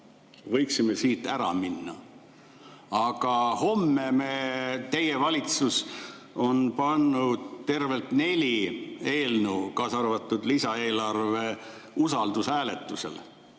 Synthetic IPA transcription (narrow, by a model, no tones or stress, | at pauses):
vɤjksime̞siːt̪ːæɾɑ̰minːɑ̰ | ɑɡ̥ɑho̞mːe̞met̪e̞jevɑlʲit̪sus | o̞npɑnːud̪̥t̪e̞rve̞lt̪ne̞lʲie̞ːlnukɑːsɑrvɑt̪ːˑud̪̥lisɑe̞ːlɑrve̞ | usɑld̪̥usæːle̞t̪ːˑuse̞̰l